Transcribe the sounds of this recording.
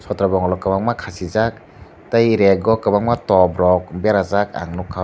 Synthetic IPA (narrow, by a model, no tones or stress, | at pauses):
sɔtɾabɔŋlɔkabaŋmakʰasizak̚ | tajɾeɡɔkabaŋmatɔbɾɔk̚beɾazaka̰ŋnukʰːa